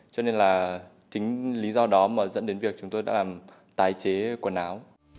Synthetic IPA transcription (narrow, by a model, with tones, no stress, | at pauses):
t͡ɕɔ˧ne˧nlaː˨˩ | t͡ɕï˨˦ŋ̟li˨˦zɔ˧ɗɔ˨˦məː˧˨˩zə̰˧˥nɗe˨˦nvi˨˩ək̚t͡ɕʊ˨˦ŋ͡mt̪o˧jɗa̰ː˥laː˨˩m | t̪aː˨˩jt͡ɕe˨˦ku˧˩ənaː˨˦w